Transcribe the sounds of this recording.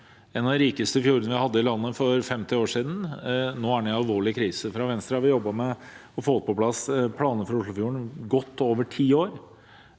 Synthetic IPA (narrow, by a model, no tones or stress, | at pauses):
ɛnɑd̪ɪɾiːkəst̪əfjuːɾənəʋɪhɑd̪ːəɪlɑnːəfɔɾfɛmt̪ɪoːʂiːd̪n̩noːæɖɛɑlʋoːɭɪkʰɾiːsəfɾɑʋɛnst̪ɾɑhɑɾʋɪjɔbːɑmɛɔfoːt̪̚pʰɔpʰlɑspʰlɑːnəfɾɑɾʊʂɭʊfjuːɾəɳɡɔt̪ːoːʋəʈʰiːoːɾ